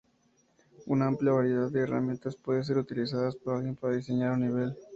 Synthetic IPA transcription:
unaampljaβaɾje̞ðaðd̪eːra̰mjent̪aspwe̞ðes̬eɾut̪ilisaðaspoɾalɣje̞mpaɾaðiseɲaɾuniβ̞e̞l

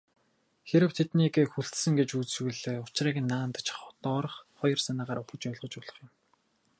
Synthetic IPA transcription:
xeɾɘ̆w̥t̪ʰet̪niːɡeːxuɬt̪sɘ̆ŋɡet͡ɕut͡ssɣuɮeːʊt͡ɕriːɡɘ̆nːaːnt̪ə̆t͡ɕχɔt̪ɔːɾə̆χχɔjɞ̆rsanaːʁaːɾʊpə̆t͡ɕpæːɮʁə̆t͡ɕʊːɮə̆χjʊ̆m

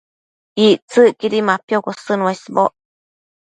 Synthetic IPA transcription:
it͡sɨkiɾimapjokosɨnũasboʔ

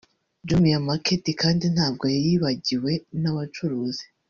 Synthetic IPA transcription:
d͡ʒumijamaketikaːndin̥haːb̚ɡo̞jajiβaɟiwe̞naβat͡ʃuɾuːzi̥

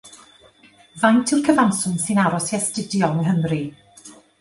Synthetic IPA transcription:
vajntʰɪwrkʰəvansʊnsinaɾɔsiɛstɪdjɔnɦəmri

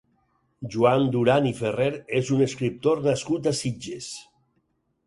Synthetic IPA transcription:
ʒuand̪uɾanifereɾezuneskɾip̚t̪oɾnaskut̪asid͡ʒes

